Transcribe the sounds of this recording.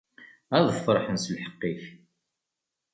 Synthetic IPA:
æðfəɾˤħənslħə̥qːiç

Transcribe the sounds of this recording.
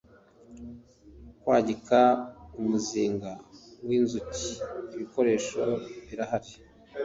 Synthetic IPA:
kwaːɟikaumuziːŋɡawiːnzuciːβiko̞ɾe̞ːʃo̞βiɾahaɾi

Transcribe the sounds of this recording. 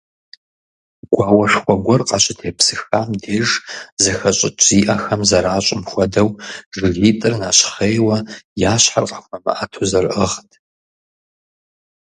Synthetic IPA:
ɡʷaːwɐʂxʷɔɡʷɔrqʼɑɕʼɪtʰeːpsɨxaːmdeːʐzɐxɐɕʼɪt͡ʃʰʼiːʔɐxɐmzɐɾaːɕʷʼɪmxʷɔdɐwʐɨɣiːtʼɨrnaːɕχeːwɐjaːɕħarqʼɐ̥xʷɐmɐ̰ʔɐtʰozɐrʔəʁtʰ

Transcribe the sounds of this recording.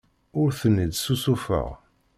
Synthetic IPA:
ʊɾθənːid̪susufə̰ʁ

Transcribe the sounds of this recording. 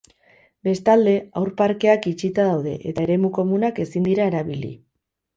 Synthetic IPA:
be̞st̪ald̪e̞awɾpaɾke̞akit͡ʃit̪aðawð̞e̞̰ʔet̪ae̞ɾe̞muko̞munake̞sind̪iɾae̞ɾaβilḭ

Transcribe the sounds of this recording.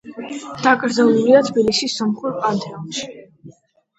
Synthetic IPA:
d̪̥akʼɾd̪zaluliat̪ʰbilisisːɔmχuɾpʼant̪ʰʼɛɔnʃi̥

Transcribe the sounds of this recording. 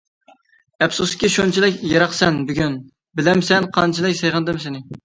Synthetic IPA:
ɛpsuskʲiʃont͡ʃʰilɪkʲjɑɾɑχsɛnbyɡʲyn | bɪlɛmsɛnqʰɑnt͡ʃʰilɪkʲsejʁənd̪ɨmsɪnɪ

